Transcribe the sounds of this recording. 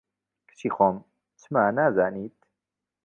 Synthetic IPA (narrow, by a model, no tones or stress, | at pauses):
kʰɨ̥t͡ʃʰiːxom | t͡ʃʰɨmaːnaːzaːniːt̪̚